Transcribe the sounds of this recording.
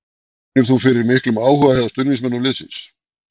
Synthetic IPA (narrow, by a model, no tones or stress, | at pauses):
ʏɾ̥θufɪɾɪɾmɪhklʏmaːwhœɣahɛðast̪ʏnvinsmɛnːʏlɪsɪ̰ns